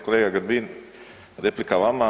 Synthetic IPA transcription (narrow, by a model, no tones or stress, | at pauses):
koleːɡaɡəɾbin | ɾeplikaʋama